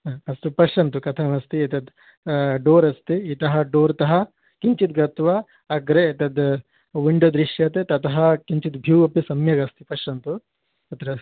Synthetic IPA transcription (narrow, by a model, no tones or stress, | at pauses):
ɐst̪upɐʂɐnt̪ukɐt̪ʰɐmɐst̪iet̪ɐd̪ | ɖoːɾɐst̪iːt̪ɐɦɐɖoːɾt̪ɐɦɐ | kiɲt͡ʃit̪̚ɡɐt̪ʋɐː | ɡɾeːt̪ɐd̪ | ʋiɳɖod̪ɾiʂjɐt̪et̪ɐt̪ɐɦɐkiɲt͡ʃit̪bʱiwɐpisɐmjɐɡɐst̪ipɐʃɐnt̪u | ɐt̪ɐɾɐ